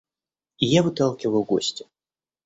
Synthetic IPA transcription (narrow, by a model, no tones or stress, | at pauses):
ijavɨt̪alˠkʲivɐwɣɔ̰sʲt͡sʲʊ